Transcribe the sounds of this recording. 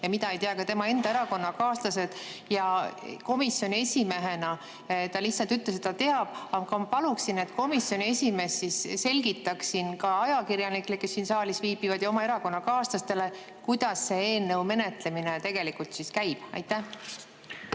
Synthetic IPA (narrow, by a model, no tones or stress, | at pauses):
jɑmid̪ɑejt̪eɑkɑt̪e̞mɑe̞nd̪ɑe̞ɾɑko̞nːɑkɑːst̪ɑse̞d̪̥jɑko̞misːjo̞nʲie̞sʲime̞ɦe̞nɑ | t̪ɑlihsːɑlt̪yt̪les̬et̪t̪ɑt̪e̞ɑb̥ɑɡ̥ɑmɑpɑluksine̞t̪ːˑko̞misjo̞nʲie̞sʲime̞sːisːe̞lʲɡit̪ːˑɑksinkɑɑjɑkiɾjɑniklekːesːinsɑːlisviːbivɑd̪̥jɑomɑe̞ɾɑko̞nːɑkɑːst̪ɑst̪e̞le̞ | kujd̪̥ɑsːe̞eːnːewme̞ne̞t̪le̞minet̪e̞ɡ̥e̞likult̪siskæjb̥ɑ̰jt̪ːˑæh